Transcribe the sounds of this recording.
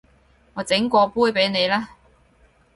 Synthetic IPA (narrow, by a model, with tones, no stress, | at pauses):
ŋɔː˨˧t͡sɪ˨˥ŋkʷɔː˧puː˥jpe˨˥jne˨˧jlaː˥